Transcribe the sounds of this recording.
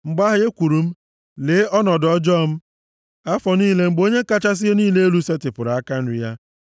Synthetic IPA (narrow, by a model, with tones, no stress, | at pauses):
ŋ͡m̩˨ɡ͡ba˦ɦɪ˦e˦kʷu˨ɾu˨m̩˦ | leː˨˦ɔ˦nɔ˨dɔ˦d͡ʒɔ˦˨m̩˦ | a˦fɔ˨niː˦le˦ŋ͡m̩˨ɡ͡bo˦ɲe˦ka˦t͡ʃa˦s̬ɪ˦e˦niː˦le˦e˦lu˦se˦tɪ˨pʊ˨ɾa˦ka˦n̩˦ɾɪ˦ja˦